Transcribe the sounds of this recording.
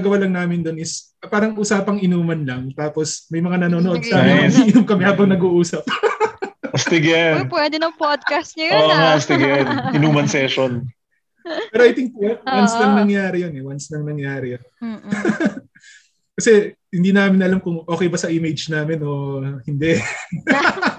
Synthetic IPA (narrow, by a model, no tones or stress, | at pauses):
ɐɡɐwalɐŋnaːmɪnd̪onɪs | paːɾɐŋʔuːsaːpɐŋʔɪnuːmɐnlɐŋt̪aːposmɐjmɐŋanɐnoːnoʔo̞d̪saːmɪnɐnʔɪnʊmkɐmɛhaːbɐŋnɐɡuːʔuːsɐp̚ | st̪ɪɡɛnpwɛd̪ɛnɐŋpod̪̚kɐst̪̚ɲɐoŋast̪ɪɡɛnʔɪnuːmɐnsɛʃon | pɛːɾoɐjt̪ɪŋt̪ʊjɐnwansnɐŋnɐŋjaːɾɪjonɛwansnɐŋnɐŋjaːɾɪjn | kɐsɛhɪnd̪iːnaːmɪnɐlamkʊŋʔoːkɛjbɐsɐʔimejd͡ʒnaːmɪnoːhɪnd̪ɛʔ